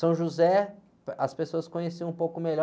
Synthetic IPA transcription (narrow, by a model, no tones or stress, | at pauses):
sɐ̃w̃ʒuzɛ | ɐspesoɐskõɲesiɐ̃ũpowkʊmeʎɔ